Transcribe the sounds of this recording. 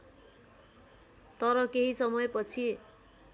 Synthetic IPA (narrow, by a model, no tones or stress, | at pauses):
t̪ʌɾʌkeɦisʌmʌjpʌt͡sʰi